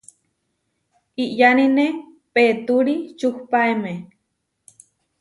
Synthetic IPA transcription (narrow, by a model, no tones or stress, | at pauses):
iʔjanine | peːt̪uɾit͡ʃuhpaeme